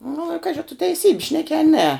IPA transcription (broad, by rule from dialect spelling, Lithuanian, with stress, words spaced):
nʊ ɪ ˈkɑːʒʲɪ ɐ tʊ tʲɛɪˈsʲiːbʲɪ ˈʃʲnʲæːkʲɪ ɐ nʲɛ